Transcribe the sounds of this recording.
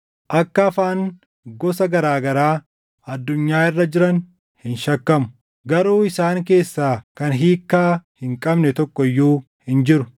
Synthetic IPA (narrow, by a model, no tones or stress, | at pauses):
ʔɐkːɐːfaːŋ | ɡɔsɐɡɐɾaːɡɐɾaː | ɐd̪ːʊɲːaːɪrːɐd͡ʒɪɾɐn | hɪnʃɐkːɐmʊ̥ | ɡɐɾoːɪsaːŋk̬e̞ːsːaːkɐnɦiːkːaːhɪŋkʼɐbnɛt̪ɔkːɔɪjːuː | hɪnd͡ʒɪɾʊ